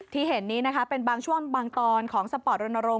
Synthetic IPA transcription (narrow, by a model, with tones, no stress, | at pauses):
t̪ʰiː˥˩ɦe˩˦nːiː˦˥na˦˥kʰa˦˥pe˧nbaː˧ŋt͡ɕʰu˥˩əŋbaː˧ŋt̪ɔː˧nkʰɔː˩˦ŋsa˧pɔː˨˩t̪̚ɾo˧nːa˧ɾo˧